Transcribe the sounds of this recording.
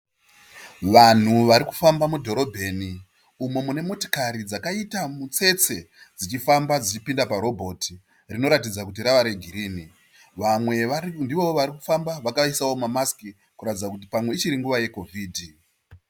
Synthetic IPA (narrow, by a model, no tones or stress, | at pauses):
ʋan̤uʋaɾiku̥fambamudʱo̞ɾo̞bʱe̞ni | umomune̞mo̞to̥kaɾid͡zakaitamut͡se̞t͡se̞ | d͡zit͡ʃifambad͡zit͡ʃipindapaɾo̞bʱo̞ti | rino̞ɾat̬id͡zakut̬iɾaʋaɾeɡʱiɾiːni | ʋamwe̞ndiʋo̞ʋaɾiku̥fambaʋakaisawo̞mamaski | kuratid͡zakut̬ipamwe̞it͡ʃiɾiŋɡuʋaje̞ko̞vʱiːdʱi